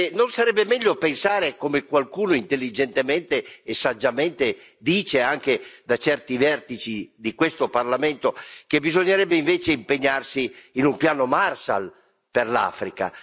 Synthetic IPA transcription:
ɛnonsaɾɛbːemɛʎːopensaːɾekomekwalkuːnoint̪elːid͡ʒent̪emɛnt̪eːsad͡ʒːamɛnt̪ed̪iːt͡ʃeaŋk̟ed̪at͡ʃɛrt̪ivɛrt̪it͡ʃid̪ikwest̪oparlamɛnt̪ok̟ebizoɲːeɾɛbːeiɱveːt͡ʃeimpeɲːarsiːnumpjaːnomarʃa̰l | perla̰ːfɾika̰

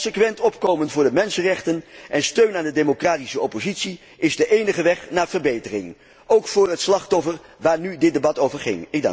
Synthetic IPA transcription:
səkʋɛntɔpkowmənvʊːɹdəmɛnsənrɛχtənʔɛnstøɥnaːndədemokraːtisəɔpozitsi | ɪzdəʔejnəχəʋɛχnaːɹv̥əɹbejtərɪ̰ŋ | owkfʊːɹɦətslɑχtɔfəɹ | ʋaːɹnydɪt̚debɑtowvəɹχɪ̰ŋɪɡ̚d̰

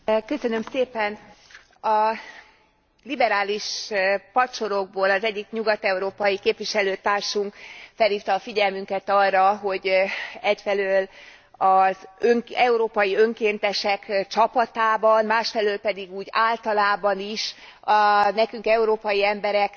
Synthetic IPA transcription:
kø̞sø̞nø̞mseːpɛn | ɒ | libɛɾaːliʃpɒt͡ʃo̞ɾo̞ɡ̚boːlɒzɛɟːikɲuɡɒt̪ɛuɾoːpɒjikeːpvʋiʃɛløːt̪aːrʃuŋkfɛlhiːft̪ɒːfiɟɛlmyŋkɛt̪ɒrːɒɦo̞ɟɛcfɛløːl | ɒzøŋɛuɾoːpɒjiø̞ŋkeːnt̪ɛʃɛkt͡ʃɒpɒt̪aːbɒnmaːʃfɛløːlpɛd̪iɡuːɟaːlt̪ɒlaːbɒniʃ | nɛkyŋkɛuɾoːpɒjiɛmbɛɾɛk

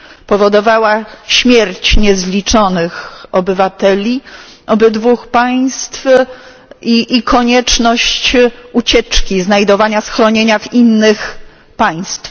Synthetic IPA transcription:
pɔvɔd̪ɔvawaɕmʲjɛɾt͡ɕɲɛzlʲit͡ʂɔnɘxɔbɘvat̪ɛlʲi | ɔbɘd̪vuxpaj̃st̪f | iʔːkʰɔɲɛt͡ʂnɔɕt͡ɕut͡ɕɛt͡ʂkʲiznajd̪ɔvaɲasxɾɔɲeɲavinːɘx | paj̃st̪f

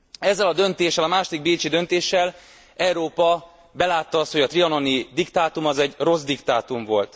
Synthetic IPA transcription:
ɛzːɛlɒd̪ø̞nt̪eːʃːɛlɒmaːʃod̪iɡ̚beːt͡ʃid̪ø̞nt̪eːʃːɛl | ɛuɾoːpɒ | bɛlaːt̪ːɒɒst̪ho̞jɒt̪riɒno̞nid̪ikt̪aːt̪umɒzɛɟro̞zd̪ikt̪aːt̪uɱvo̞lt̪

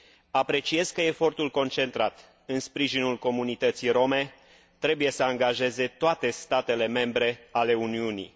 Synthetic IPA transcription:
apɾe̞t͡ʃije̞zkəe̞fo̞rt̪ulko̞nt͡ʃe̞nt̪ɾat̪ | ɨnspɾiʒinulko̞munit̪ət̪siɾo̞me̞ | t̪ɾe̞buje̞səaŋɡaʒe̞ze̞t̪oat̪e̞st̪at̪e̞le̞me̞mbɾe̞ale̞uniunḭ

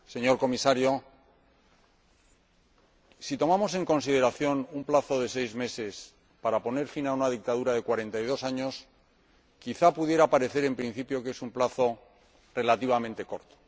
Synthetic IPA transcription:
se̞ɲo̞ɾko̞misaɾjo̞ | sit̪o̞mamo̞se̞ŋko̞nsið̞e̞ɾaθjo̞numplaθo̞ðe̞se̞jzme̞se̞s | paɾapo̞ne̞ɾfinaunaðik̚t̪aðuɾaðe̞kwaɾe̞nt̪ajð̞o̞saɲo̞s | kiθapuðje̞ɾapaɾe̞θe̞ɾe̞mpɾin̟θipjo̞ke̞sumplaθo̞ | re̞lat̪iβ̞amẽnt̪e̞ko̞ɾt̪o̥

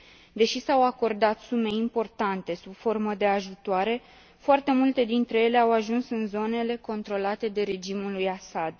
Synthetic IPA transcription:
d̪e̞ʃisawako̞rd̪at̪sume̞impo̞rt̪ant̪e̞subfo̞rməd̪e̞aʒut̪oaɾe̞ | foart̪e̞mult̪e̞d̪int̪ɾe̞je̞le̞awaʒunsɨnzo̞ne̞le̞ko̞nt̪ɾo̞lat̪e̞d̪e̞ɾe̞d͡ʒimulujasad̪

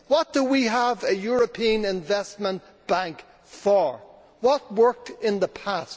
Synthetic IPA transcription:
wʌt̚d̥əwiəvɨjʊɹɨpʰĩə̃nɪ̃ɱvɛst̚mə̃nt | b̥æ̃ŋk | fə˞ | wʌt̚wɜ˞k̚tɪ̃nðəpʰæst

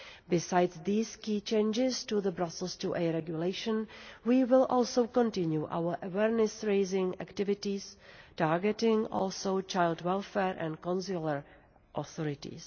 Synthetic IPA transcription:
bɪsajdsðiːskiːt͡ʃẽɪnd͡ʒɪstuðəbɾasl̩ˠstuʔɛɾɛɡjuleɪʃə̃nwiːwɪlʔɔːlsowkɔ̃ntɪ̃njuʔa̰wəʔəwɛːɾnɛsɹeɪzɪ̃ŋæ̰ktɪvɪtistaːɹɡɛtɪ̃ŋʔɔ̰lsowt͡ʃajldwɛlfɛɹʔɛ̰̃ntkɔ̃nsuləɹ | ʔɔθɔɾɪtḭs

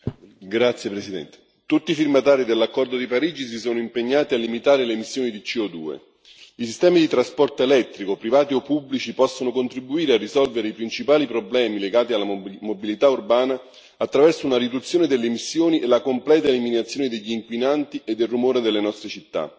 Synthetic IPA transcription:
ɡɾat̪sjepɾesid̪ɛ̰nt̪e̥ | t̪ut̪ːifirmat̪aːɾid̪elːakːɔrd̪od̪ipaɾiːd͡ʒis̬isoːnoimpeɲːaːt̪ialːimit̪aːɾelemisːjoːnid̪it͡ʃiɔd̪uːḛ | isist̪ɛːmid̪it̪ɾaspɔrt̪oelɛt̪ːɾikopɾivaːt̪iɔpːubːlit͡ʃipɔsːonokont̪ɾibuiːɾearːizɔlveɾeipɾint͡ʃipaːlipɾoblɛːmileɡaːt̪ialːamobilit̪aurbaːnaː | t̪ːɾavɛrsounaɾid̪ut̪sːjoːned̪elːemisːjoːniʔelakomplɛːt̪aeliminat̪sjoːned̪eʎːiːŋkwinant̪iʔed̪ːelrːumoːɾed̪elːenɔst̪ɾet͡ʃit̪ːa̰

